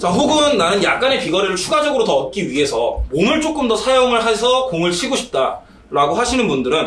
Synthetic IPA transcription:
t͡ɕaɦoɡɯnːanɯnjak̚k͈ane̞piɡʌɾiɾɯɭt͡ɕʰuɡad͡ʑʌɡɯɾotʌːt̚k͈iɥiɦe̞sʰʌmomɯɭt͡ɕ͈ok͈ɯmdʌsʰajoŋɯɭɦesʰʌkoŋɯɭt͡ɕʰiɡoɕʰi̥p̚t͈a | ɾaɡoɦaɕʰinɯnbundɯɾɯn

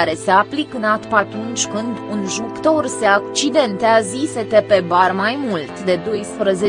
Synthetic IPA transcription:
aɾe̞se̞aplikɨnat̪pat̪unt͡ʃʲkɨnd̪unʒukt̪o̞rseak̚t͡ʃid̪e̞nt̪eaziset̪epe̞barmajmult̪d̪e̞d̪o̞jspɾəze̞

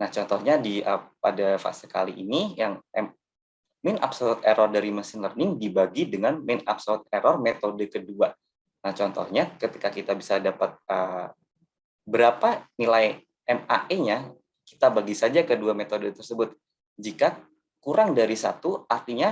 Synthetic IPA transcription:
naht͡ʃɔnt̪ɔhɲadiʔəpa̰dafa̰sə̥ka̰liʔinijaŋɛm | mɪna̰psɔt̪eɾɔrdaɾimasɪnlərnɪŋdibaɡidəŋanmɪna̰p̚sɔt̪̚eɾɔrmet̪odəkədua | naht͡ʃɔnt̪ɔ̰hɲakət̪i̥kakit̪abisadapat̪̚ə | bəɾapanilaj | ɛma̰ʔeɲa | ki̥t̪abaɡisad͡ʒakəduamet̪odət̪ərsəbʊt̪̚ | d͡ʒika | kuɾaŋdaɾisa̰t̪uʔart̪iɲa

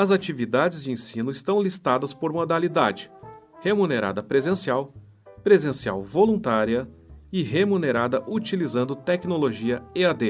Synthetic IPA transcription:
ɐzat͡ʃivid̪ad͡ʒɪzd͡ʒɪẽsĩnʊɪst̪ɐ̃w̃list̪ad̪ɐspoɾmod̪alid̪ad͡ʒɪ̥ | hemuneɾa̰d̪ɐpɾezẽsiaw | pɾezẽsia̰wvolũt̪aɾiɐ | ɪɦemuneɾad̪ɐʔut͡ʃilizɐ̃nd̪ʊt̪ɛknoloʒiɐead̪e

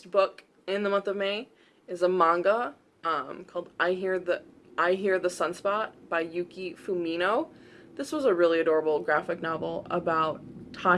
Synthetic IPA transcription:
b̥ʊk | ɪ̃nðəmʌ̃nθʌvmeɪ | ɨzəmɑ̃ŋɡə | ʌ̃mkʰɔlˠdʔaɪɦiɹðɨ | ʔaɪɦiɹðəsʌ̃nspɑt̚b̥aɪjʉkifumĩñoʊðɪswʌzəɹɪlˠiɨdɔɹəbl̩ˠɡɹæfɨk̚nɑvl̩ˠə̰baʊtʰɑ

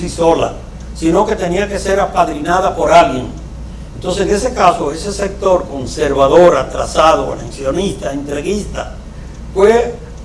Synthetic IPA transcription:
siso̞la̰ | sino̞ke̞t̪e̞niake̞se̞ɾapaðɾinaðapo̞ɾalɣjeŋ | ent̪o̞nsesŋesekaso̞e̞se̞sek̚t̪o̞ɾko̞nseɾβaðoɾat̪ɾa̰sað̞oa̰nensjo̞nist̪aent̪ɾeɣist̪a | fwe

